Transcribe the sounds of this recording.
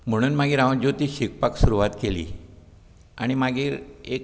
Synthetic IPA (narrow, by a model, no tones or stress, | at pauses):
m̤əɽ̃uːnmaɡʱiːɾãʋd͡ʑot̪iːɕik̚paksuɾuʋat̪kelḭː | a̰ɽ̃imaɡʱiːɾek̚